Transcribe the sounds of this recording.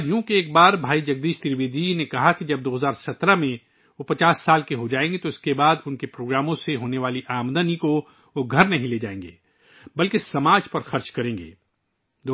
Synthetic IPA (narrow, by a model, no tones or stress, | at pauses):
jũːkeeːk̚baːɾbʱaːid͡ʒɐɡ̚d̪iːʃt̪ɪɾʋeːd̪inekɐɦakid͡ʒɐb̚d̪oːɦɐzaːɾsɐt̪ɾamẽ | ʋopɐt͡ʃaːsːaːlkeɦod͡ʒaːẽːŋɡet̪oɪskebaːd̪ʊnkepɾoːɡɾaːmõseɦoːneʋaːliʔaːmd̪əniko | oɡʱɐɾnɐɦĩleːd͡ʒaːẽːŋɡḛː | bɐlkesɐmaːd͡ʒpɐɾxɐɾt͡ʃkɐɾẽːŋɡḛː | d̪oː